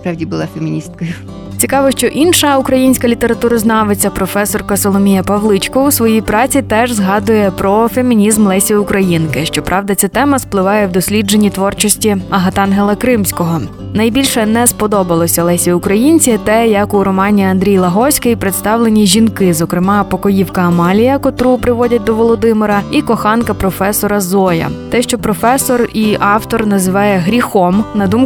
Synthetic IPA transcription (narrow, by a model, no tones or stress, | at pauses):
spɾɑʋdʲibʊlˠɑfemʲinʲist̪̚kɔjʊ | t͡sʲikɑʋɔʃt͡ʃɔʔinʃɐukɾɐjinʲsʲkɐlʲit̪eɾɐt̪uɾɐznɑʋet͡sʲːɐpɾɔfɛsɔrkɐsɔlˠɔmʲijɐpɐʋlˠɪt͡ʃkɔusʋɔjijpɾɑt͡sʲit̪ɛʒzɦɑd̪ʊjɛpɾɔfe̞mʲinʲizmlˠɛsʲiʊkɾɐjinkɪʃt͡ʃɔpɾʔɑʋd̪ɐt̪sʲɛt̪ɛmɐsplˠɪʋɑjɛwd̪ɔsʲlʲid͡ʒe̞nʲːit̪ʋɔrt͡ʃɔsʲtʲiɐɦɐt̪ɑnɦelˠɐkɾɪmsʲkɔɦɔ | nɐjbʲilʲʃɛnɛspɔd̪ɔbɐlˠɔsʲɐlˠɛsʲiʊkɾɐjinʲt͡sʲit̪ɛjɐkʊɾɔmɑnʲiɐnd̪ɾʲijlˠɐɦɔsʲkɐjpɾɪt̪st̪ɑwlˠenʲiʒʲinkɪzɔkɾɪmɑpɔkɔjiwkɐːmɑlʲijɐkɔt̪ɾupɾɪʋɔdʲɐt̚ʲd̪ɔʋɔlˠɔd̪ɪmɪɾɐikɔxɑnkɐpɾɔfɛsɔɾɐzɔjɐ̰t̪ɛʃt͡ʃɔpɾɔfɛsɔriʔɑwt̪ɔrnɐzɪʋɑjɛɦɾʲixɔmnɐd̪um